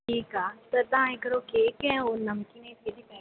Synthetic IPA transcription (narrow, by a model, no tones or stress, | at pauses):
ʈʰiːkaːt̪ɐɾt̪ɐãekəɾoːkeːkɛ̃onɐmkinẽt̪ʰed̪ipɐ̃